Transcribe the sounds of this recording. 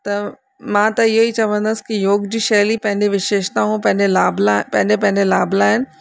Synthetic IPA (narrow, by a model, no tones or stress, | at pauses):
t̪ɐ | mãːt̪ɐɪɦoit͡ɕɐʋə̃nd̪əsɪ̥kijoːɡd͡ʑiːʃɐːlipɐ̃ɦɪ̃ɲd͡ʑeʋɪʃeːʃt̪aɦũpɐ̃ɦɪ̃d͡ʑelaːblpɐ̃ɦɪ̃ɲd͡ʑepɐ̃ɦɪ̃ɲd͡ʑelaːblaːɦɪnɪ̆